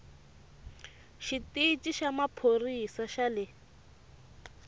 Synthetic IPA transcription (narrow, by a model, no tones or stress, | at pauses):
ʃitit͡ʃʼiʃamapʰorisaʃalɪ